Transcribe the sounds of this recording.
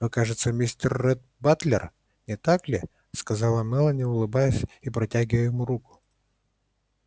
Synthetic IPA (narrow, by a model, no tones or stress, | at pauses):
nokaʐɨt̪səmʲisʲtʲɪrːɛt̪̚bat̪lʲɪr | nʲɪt̪aklʲɪ | skɐzalˠəmɛlˠənʲɪʊlˠɨbajɪsʲipɾɐtʲæɡʲɪvəjɪmuɾukʊ̥